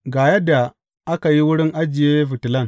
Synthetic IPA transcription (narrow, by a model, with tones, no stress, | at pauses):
ɡaː˨jɐ˦dːa˨ | ʔa˦ka˨ji˦wʊ˦ɽɪ˦ŋʔa˦d͡ʒɪ˨jeː˦ɸɪ˨tɪ˨lɐ˦˨ŋ